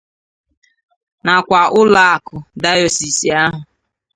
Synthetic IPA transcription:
na˨kʷa˨ʔʊ˦la˦a˨kʊ˨da˦jo˨si˨si˨a˦ɦʊ˨

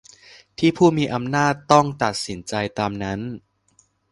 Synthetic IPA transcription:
t̪ʰiː˥˩pʰuː˥˩miː˧ʔa˧mnaː˥˩t̪ːɔ˥˩ŋt̪a˨˩t̪̚si˩˦nt͡ɕa˧jt̪aː˧mna˦˥n

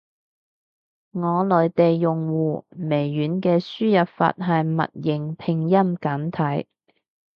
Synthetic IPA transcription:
ŋɔː˨˧lɔː˨˧jt̪e˨jːʊ˨ŋwuː˨me˨˩jːyː˨˥nkɛː˧syː˥jɐ˨p̚fa̰ː˧˨t̚ɦɐ˨jmɐ̰˨t̚jɪ˨˩ŋpʰɪ˨˩ŋjɐ˥mkɐ˨˥nt̪ʰɐ˨˥j

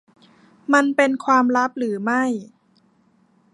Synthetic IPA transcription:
ma˧npe˧nkʰwaː˧mɾa˦˥p̚ɾɯː˩˦ma˥˩j

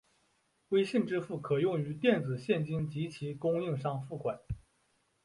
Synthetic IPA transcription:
we˥ɪɕi˥˩nʈ͡ʂɻ̩˥fu˥˩kʰɤ˨˩jʊ˥˩ŋy˧˥t̪jɛ˥˩nd͡zɹ̩˨˩ɕjɛ˥˩nt͡ɕi˥nt͡ɕi˧˥t͡ɕʰi˧˥kʊ˥ŋi˥˧ŋʂɑ˥˧ŋfu˥˩kwa˨˩˦n

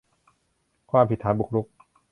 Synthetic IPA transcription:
kʰwaː˥˩mpʰi˨˩t̪ʰːaː˩˦nbu˨˩k̚ɾu˦˥k̚

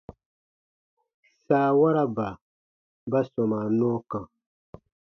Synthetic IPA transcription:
saː˨wa˦ɾa˦ba˨ | ba˦sɔ˨ma˨nɔ̃˦kã˨

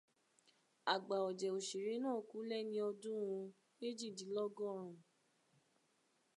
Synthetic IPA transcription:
a˨ɡ͡ba˨ɔ˨d͡ʒɛ˨o˨ʃi˨ɾe˨˦nãː˦˨ku˨˦lɛ˦nĩ˧˦ɔ˧dũ˦ɾũ˧ | e˦d͡ʒi˦˨di˨˦lɔ˦ɡɔ̃˦˨ɾ̃ũ˨

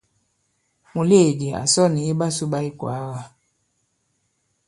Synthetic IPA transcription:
mu˨le˦˨di˨a̰˨sɔ˦˨ni˨e˦ba˦su˦ba˦i˦kwa̰˨˦ɣa˨

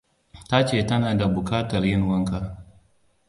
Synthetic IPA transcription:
ta˦t͡ʃeː˦˨tɐ˦naː˨da˨bʊ˨kaː˦tɐ˨rjɪ˦ŋwɐ˦ŋka˦

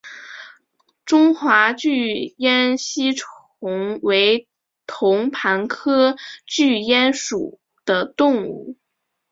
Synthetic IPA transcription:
ʈ͡ʂʊ˥ŋxwa˧˥t͡ɕy˥˩jɛ˥nɕi˥ʈ͡ʂʰ | ʊ˧˥ŋwe˧˥ɪ | t̪ʰʊ˧˥ŋpʰa˧˥nkʰɤ˥t͡ɕy˥˩jɛ˥nʂṵ˨˩ | d̪̥ə˦˩t̪ʊ˥˧ŋṵ˥˩

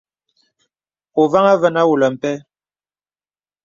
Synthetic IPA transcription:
o˨va˦ŋa˦və˦na˦wu˨lə˨m̩˨pɛ˦

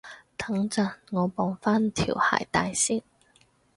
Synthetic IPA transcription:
t̪ʰɐ˨˥ŋt͡sɐ˨˩nŋɔː˨˧pɔː˨˥ŋfaː˥nt̪ʰḭː˨˩wha̰ː˨˩jt̪a̰ː˨˧jsiː˥ŋ

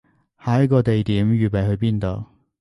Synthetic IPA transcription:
haː˨˥jɐ˥kɔː˧t̪e˨jt̪iː˨˥mjyː˨˩pe˨jɦɵ˧ɥpiː˥nt̪o˨˩w

